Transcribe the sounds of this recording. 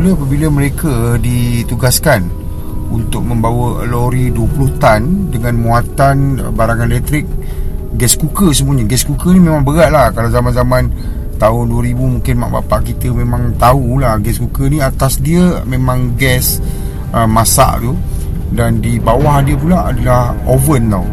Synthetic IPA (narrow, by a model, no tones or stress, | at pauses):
uləapəbiləmə̃ɾekədit̪uɡaskan | ṵnt̪ʊk̚məmbawə̰loɾiduəpulʊht̪andəŋãnmuat̪anə̰baɾaŋãndɛt̪ɾɪk̚ | ɡɛskukəsəmuəɲəɡɛskukənimẽmãŋbəɡaʔ̪̚lahkalawzamanzamãn | t̪aʊnduəɾibumũŋkɪnma̰ʔba̰paʔkit̪əmẽmãŋt̪aulahɡɛskukənĩat̪asdiəmẽmãŋɡɛs | əmasa̰ʔt̪u | dandibawahdiəp̬ulaʔa̰dalahovənt̪aw